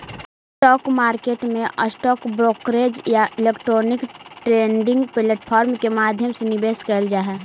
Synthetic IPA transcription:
sʈɔːkmaːɾkeːʈmẽʔəsʈɔːkbɾoːkɾeːd͡ʒjaɪleːkʈɾoːnɪkʈɾeːɳɖɪ̃ŋɡpleːʈpʰɔːɾmkemaːd̪ʱjəmsenɪbeːskəld͡ʒaːɦɛː

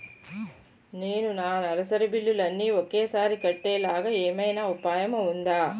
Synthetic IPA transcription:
neːnunaːnɐlɐsɐɾɐbilːulɐnːiokːeːsaːɾikɐʈːeːlaːɡɐeːmɐjnɐupaːjɐmɐund̪aː

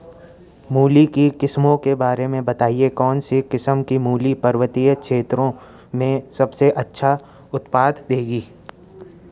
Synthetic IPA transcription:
muːlikikɪsmõkebaːɾemẽbɐt̪aːiekɔːnsikɪsəmkimuːlipɐɾʋət̪ijəkʃeːt̪ɾõ | mẽsɐbseʔɐtːʃʰa | ʊt̪paːd̪d̪eːɡiː

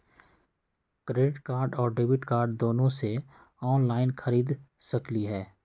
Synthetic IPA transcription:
kɾeːɖɪʈkaːɾɖɔːɾɖeːbɪʈkaːɾɖd̪oːnõse | ɔːnlaːɪnxʰɐɾiːd̪sɐkliɦɛː

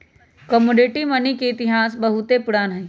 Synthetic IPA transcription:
kɔmoːɖeʈimɐnikeɪt̪ɪɦaːs̬bɐɦʊt̪epʊɽaːnɦɛ̃

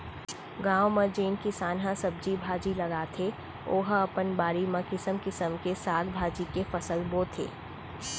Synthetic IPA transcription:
ɡãːwmẽd͡ʒeːnkisaːnɦãsɐb̚d͡ʒibʱaːd͡ʒilɐɡaːt̪ʰe | oːɦɐpənbaːɾimẽkɪsəmkɪsəmkesaːɡbʱaːd͡ʒikefɐsəlboːt̪ʰḛː

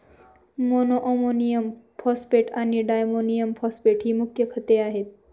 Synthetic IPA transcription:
monoʔomonijəmpʰɔspeʈʰaːniɖaːjmonijəmpʰɔspeʈɦiːmʊkʰjəkʰət̪eaːɦeːt̪̚

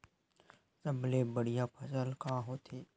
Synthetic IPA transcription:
səblebəɽijapʰəsəlkaɦoːt̪ʰeː

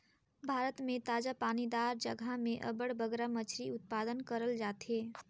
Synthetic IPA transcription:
bʱaːɾət̪mẽt̪aːd͡ʒapaːnid̪aɾd͡ʒəɡʱamẽʔə̰bəɽbəɡɾamət͡ʃʰɾiʊt̪̚pad̪ənkəɾəld͡ʒaːt̪ɦe

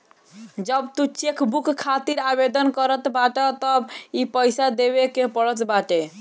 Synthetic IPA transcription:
d͡ʒəbt̪ut͡ʃekbukkʰːat̪iɾabed̪ənkəɾət̪baʈət̪əbipəjsad̪ebekepəɽət̪baʈe

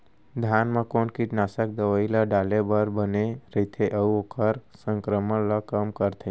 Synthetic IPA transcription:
d̪ʱjaːnmə̃koːnkiʈnaːsək̚d̪əʋəiləɖaːlebəɾbəneɾəɦit̪ʰeʔəuokəɾsə̃ŋkɾəmələkəmkəɾt̪ʰẽ

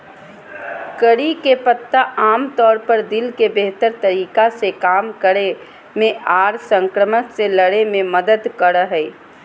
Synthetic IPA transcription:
kəɽikepət̪ːaʔaːmt̪ɔːɾpəɾd̪ɪlkebeːɦt̪əɾt̪əɾiːkasekaːmkəɾe | mẽʔaːɾsə̃ŋkɾəməkseləɽemẽməd̪əd̪kəɾɦɛː

